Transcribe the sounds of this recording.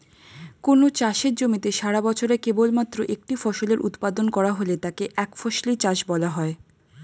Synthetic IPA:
konot͡ɕaʃeɾd͡ʑomit̪eʃaɽabɔt͡ɕʰoɾekebolmat̪ːɾoʔek̚ʈifɔʃoleɾʔṵt̪pad̪onkɔɾaɦolet̪akeʔɛkfɔʃlit͡ɕaʃbɔlaɦɔe

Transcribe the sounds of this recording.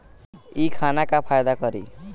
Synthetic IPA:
ikʰanakapʰajd̪akʌɾi

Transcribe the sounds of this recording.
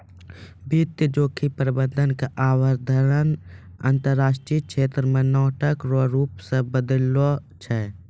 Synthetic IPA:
bit̪jəd͡ʒoːkʰipəɾɪbənd̪ʱənkaʔaːwəɾd̪ʱəɾən | ə̰nt̪əɾːaːʃʈɾiːkʃeːt̪ɾəmẽnɔːʈəkɾoɾuːpsẽbəd̪əlot͡ʃʰɛː

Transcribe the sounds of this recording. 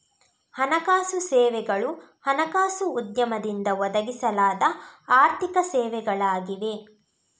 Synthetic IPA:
hɐnɐkaːsusɛːʋɛɡɐɭu | hɐnɐkaːsuːd̪jɐmɐd̪ind̪ɐʋɔd̪ɐɡisɐlaːd̪ɐaːɾt̪ikɐsɛːʋɛɡɐɭaːɡiʋe̞

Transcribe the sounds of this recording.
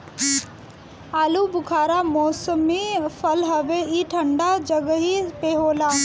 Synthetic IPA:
aːlubʊkʰaːɾamoːsəmifʰɐlɦɐʋeiʈʰɐɳɖad͡ʒɐɡəɦipeːɦoːlaː

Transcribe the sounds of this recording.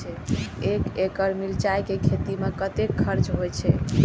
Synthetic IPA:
ɛekekəɾmilt͡ʃajkekʰet̪imekət̪ekʰːəɾt͡ʃɦojt͡ʃʰɛ

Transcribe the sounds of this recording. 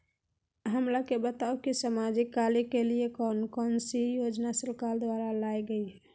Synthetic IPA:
ɦəmɾakebət̪aukisəmad͡ʒikːalikeliekɔnkɔnsijod͡ʒnasɾkald̪ʋaɾalajɡəiɦɛ

